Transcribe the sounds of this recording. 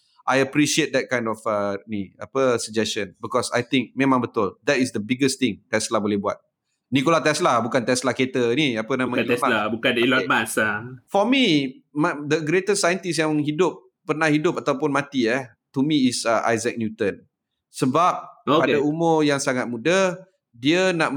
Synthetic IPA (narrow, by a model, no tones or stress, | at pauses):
ʔajəpɾiʃiet̪̚d̪ɛt̚kãj̃ndɔfəniapəsəd͡ʒɛstə̃nbikɔsa̰jt̪ɪ̃ŋk̚mẽmãŋbət̪ʊld̪ɛtisd̪əbiɡəst̪ɪ̃ŋt̪ɛslabolɛhbua̰t̪̚ | nikolat̪ɛslabukant̪ɛslaket̪əniapənãmãilɛmaabukailɔmasafɔmimad̪əɡɾet̪əsajənt̪is̬jaŋhidʊp̚ː | ərnahidʊpat̪awpʊnmãt̪iə | t̪umiːsəʔa̰jzɛk̚njut̪ən | səbap̚opadaumʊrjaŋsaŋat̪̚mũdə | diənaʔ